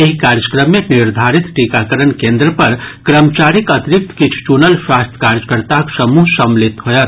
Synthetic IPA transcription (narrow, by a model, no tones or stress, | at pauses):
eɦikaɾjəkɾəmːeniɾd̪ʱaɾit̪ʈikakəɾənkend̪ɾəpəɾkɾəmt͡ʃaɾikət̪ɾik̚t̪kit͡ʃʰu̥t͡ʃunəlswast̪ʰkaɾjəkəɾt̪aksəmuɦsəmlit̪ɦojət̪